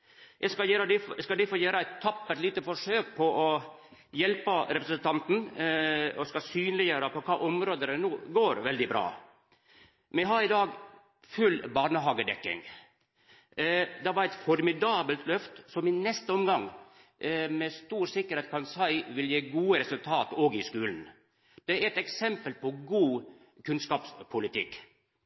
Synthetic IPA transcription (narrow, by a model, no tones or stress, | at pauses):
jʔɛskɑjeɾəd̪ɪskɑld̪ɪfɔjeːɾəæɪt̪ʰːɑpːəliːt̪əfɔʂøːk̚pʰɔʔɔjɛlpəɾɛpɾəsənt̪ʰɑnt̪n̩ | ɔskɑsyːnlɪjøːɾəpʰɔkʰɑːʔɔmɾoːd̪əɾənuːɡoːɾʋɛld̪ɪbɾɑ̰ː | mɛɦɑɾɪd̪ɑːɡ | fʉlbɑːnəɦɑːɡəd̪ɛ̰kːɪ̰ŋ | d̪ɑʋɑɾæɪt̪fɔɾmɪd̪ɑːbəlt̪ʰlœft̪sɔmɪnɛst̪əɔmɡɑŋː | mɛst̪uːɾsɪkːəɾheːt̪̚kʰɑnsæɪʋɪljeːɡuːəɾɛsʉlt̪ʰɑːt̪ɔːɡɪskʉːln̩ | d̪̥ɛæɾɛt̪ɛksɛmpəlpʰɔɡuː | kʰʉnskɑːpspʰʊlɪt̪ʰɪkː